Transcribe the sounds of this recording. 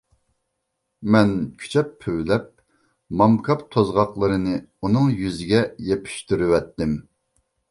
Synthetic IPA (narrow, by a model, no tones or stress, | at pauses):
mɛnkʲʰy̥t͡ʃʰɛpʰːøwlɛp̚ | mɑmkʰɑpt̪ʰozʁɑqlˠəɾɨnɨ | unɨŋjyzɪɡʲɛjepʰy̥ʃt̪yɾywɛt̪ːɪm